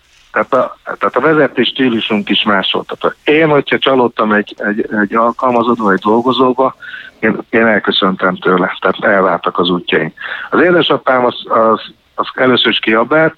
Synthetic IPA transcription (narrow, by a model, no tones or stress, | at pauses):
t̪ɛːt̪ɒt̪aːt̪ɒvɛzɛt̪eːʃt̪iːluʃuŋkiʃmaːʃo̰lt̪ɒt̪okeːnho̞chɒt͡ʃɒloːt̪ːɒmɛɟɛɟɛɟːɒlkɒlmɒzod̪oːɛɟd̪o̞lɡo̞zoːbɒeːneːnɛlkø̞sø̞nt̪ɛmt̪øːlɛt̪aːt̪ɛlvaːrt̪ɒkɒzuːcːɒinɒzeːd̪ɛʃɒpaːmɒzɒz | ɒzɛløːsøɾiʃkiɒbɛːt̪